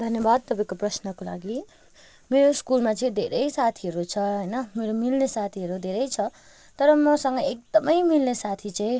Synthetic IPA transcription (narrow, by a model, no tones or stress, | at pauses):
d̪ʱʌnjʌbad̪̚t̪ʌpãĩkoprʌsnʌkola̰ɡi | meɾoskulmat͡sʌĩd̪ʱeɾʌjsat̪ʰiɦʌɾut͡sʰʌɦʌjnʌmeɾomilnesat̪ʰiɦʌɾud̪ʱeɾʌjt͡sʰʌ | t̪ʌɾʌmʌsʌŋɡʌek̚d̪ʌmʌjmilnesat̪ʰit͡saĩ